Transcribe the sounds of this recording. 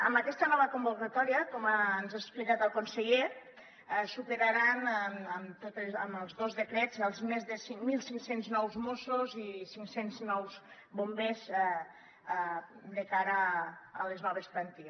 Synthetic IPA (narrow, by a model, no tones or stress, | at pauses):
əmbakɛst̪ənɔβəkumbokat̪ɔɾiəkɔmanzaksplikat̪əlˠkonseʎe | supeɾaɾanməmt̪ot̪eəməlˠzðozðekɾɛzəlˠzmezðəsiŋmilˠsiŋsenznɔwzmosozisiŋsenznɔwz | bombez | d̪əkaɾəːleznɔβ̞esplant̪i